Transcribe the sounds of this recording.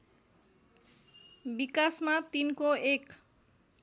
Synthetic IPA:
bikasmat̪inkoek

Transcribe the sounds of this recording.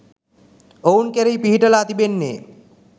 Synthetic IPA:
ownkeɾejpiɦiʈɐlaːt̪ibenːḛː

